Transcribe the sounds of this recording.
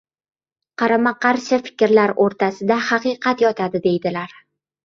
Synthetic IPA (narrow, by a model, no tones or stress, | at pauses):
qʰɑɾamaqʰɑɾʃɪfɪ̥kʲɾlaɾoɾt̪ʰasɪd̪ahɑqɨqʰɑt̪jɒt̪ʰad̪ɪd̪e̞jd̪ɪlaɾ